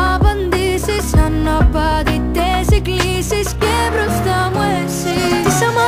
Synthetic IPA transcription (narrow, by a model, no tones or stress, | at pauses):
bɐnd̪isisɐnːɐpːɐd̪it̪ːesiklisiskeːbɾust̪amu | sisɐm